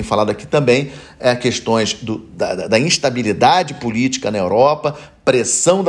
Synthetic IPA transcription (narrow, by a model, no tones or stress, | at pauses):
j̃falad̪ʊaki̥t̪ɐ̃mbẽj̃ | ɛkeʃt̪õj̃zd̪ʊd̪ɐd̪ɐd̪ɐĩʃt̪abilid̪ad͡ʒɪpulit͡ʃi̥kɐnɐewɾɔpɐ | pɾesɐ̃w̃d̪